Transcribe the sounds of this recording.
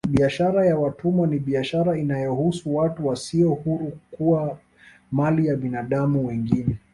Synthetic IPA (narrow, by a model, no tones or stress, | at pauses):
ɓiaʃaɾajawatumɔniɓiaʃaɾainajɔhusuwatuwasiɔhuɾukuwa | malijaɓinaɗamuwɛŋɡinɛ